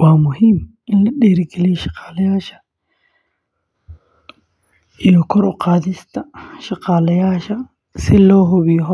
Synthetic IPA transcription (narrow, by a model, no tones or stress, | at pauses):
waːmʊɦim | ɪnlɐɗeːɾɡɛliʃɐ̥qaːlɐjaːʃɐ̥ | ɪjɔkɔɾɔqaːðɪst̪ʰɐʃɐqaːlɐjaːʃɐ | sɪloːɦʊβɪjɦɔ